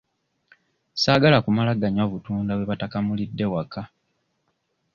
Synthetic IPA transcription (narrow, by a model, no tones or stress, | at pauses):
saːɡalakumalaɡaɲaβutuːndawe̞βatakamulidːe̞wakʰa